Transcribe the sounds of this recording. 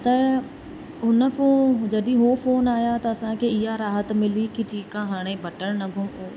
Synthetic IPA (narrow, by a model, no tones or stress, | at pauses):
t̪ɐ | ʊnãːpʰoːd͡ʒəd̪iːɦoːpʰoːnaːjaːt̪aəsãːkeɪjaːɾaːɦət̪mɪliːkiʈʰiːkãːɦaɽ̃ẽːbəʈəɳnəɡʱũːoː